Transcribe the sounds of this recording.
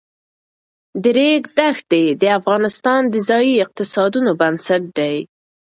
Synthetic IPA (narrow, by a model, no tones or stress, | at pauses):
d̪əɾeɡd̪ax̚d̪ed̪əafɣɑnɪst̪ɑnd̪əzɑjiɪq̚t̪ɪsɑd̪unobansaʈ̚d̪aj